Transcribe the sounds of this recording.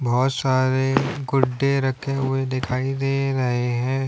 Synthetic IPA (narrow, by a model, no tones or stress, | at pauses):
bɔːt̪saːɾeɡʊɖːeɾɐkʰːeɦʊed̪ɪkʰaːid̪eːɾɐɦeɦɛ̃ː